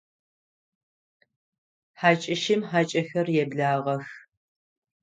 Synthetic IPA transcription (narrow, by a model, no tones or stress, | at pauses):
ħaːt͡ʃʼɪʃɪmħaːt͡ʃʼɐxɐrjɛbɮaːʁɐx